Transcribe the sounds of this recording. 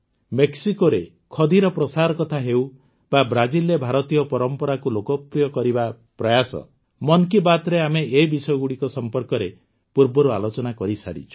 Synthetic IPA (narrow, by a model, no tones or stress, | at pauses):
meksikoɾe | kʰɔd̪iɾɔpɾɔsaɾɔkɔt̪ʰaɦew | babɾad͡ʒilebʱaɾɔt̪ijɔpɔɾɔmpɔɾakulokɔpɾijɔkɔɾiba | pɾɔjasɔ̰ | mɔnkibat̪ɾeameebisɔjɔɡuɽikɔsɔmpɔɾkɔɾe | puɾbɔɾualot͡ʃɔnakɔɾisa̰ɾḭt͡ʃʰu̥